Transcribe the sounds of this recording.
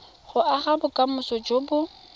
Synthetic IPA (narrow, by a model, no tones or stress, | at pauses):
χʊʔaχabʊkʼamʊsɔd͡ʒoːbʊ